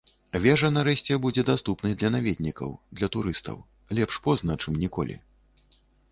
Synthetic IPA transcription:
vʲɛʐɐnaɾɛɕʲt͡sʲɛbud͡zʲɛd̪ast̪upnɨjd̪lʲɐnavʲɛd̪̚ʲnʲikɐ̰wd̪lʲɐt̪uɾɨst̪ɐ̰w | lʲɛpʂpɔznɐt͡ʂɨmnʲikɔ̰lʲḭ

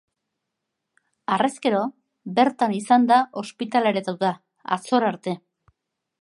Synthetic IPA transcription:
areske̞ɾo̞ | be̞ɾt̪anisand̪aʔo̞spit̪aleɾet̪awt̪a | a̰t͡so̞ɾaɾt̪e̞

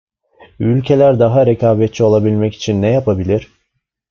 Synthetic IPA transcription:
ylʲcʰe̞lʲæɾd̪aɦaɾekʰaːbɛt̪t͡ʃʰio̞lˠabilʲmɛci̥t͡ʃʰinːɛjapʰabilʲiɾ̥

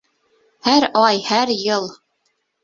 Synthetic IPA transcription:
hæɾɑjhæɾjɤlˠ

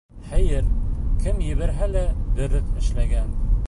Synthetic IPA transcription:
χæjɘɾkʰɘmjɘ̆βæɾɦælæbɘ̆ɾɘqɘ̆ʃlæɡæn

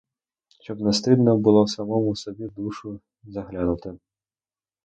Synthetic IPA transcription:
t͡ʃɔbnast̪ɨd̪nɐbɨlˠɔsamɔmusɔbʲɛd̪uʂu | zaɣlʲanut̪ɐ

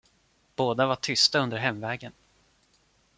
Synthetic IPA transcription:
b̥oːd̪avaʈʰʏst̪aɵnd̪əɾɦɛmvɛːɡən

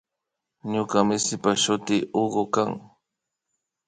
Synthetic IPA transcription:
ɲʊkamɪsɪpaʃʊt̪ɪʔoɢokaŋ

